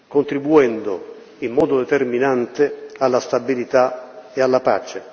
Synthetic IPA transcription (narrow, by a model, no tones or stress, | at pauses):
kont̪ɾibuɛnd̪ʊ | imːɔːd̪ʊd̪ɛt̪erminant̪ɪalːast̪abilit̪aealːapa̰t͡ʃe